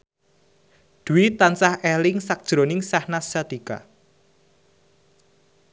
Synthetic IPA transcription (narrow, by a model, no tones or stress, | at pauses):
d̪̥uwit̪ansahɛlɪŋsak̚d̥ʒ̥ɾonɪŋsahnast͡ʃat̪ika̰